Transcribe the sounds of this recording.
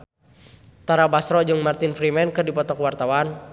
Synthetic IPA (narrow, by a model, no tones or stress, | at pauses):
t̪aɾabasɾɔd͡ʒɨŋmart̪infɾimɛnkɨrdipɔt̪ɔkwart̪awan